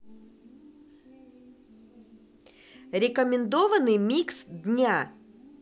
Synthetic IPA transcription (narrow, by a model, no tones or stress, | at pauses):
ɾʲɪkəmʲɪnd̪ovənɨjmʲiksd̪ʲnʲa